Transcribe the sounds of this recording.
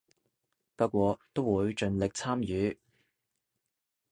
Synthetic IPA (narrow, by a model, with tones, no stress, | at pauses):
paː˥kʷɔː˧t̪o˥wwuː˨˧jt͡ʃɵ˨˧nlɪ˨k̚t͡sʰaː˥mjyː˨˥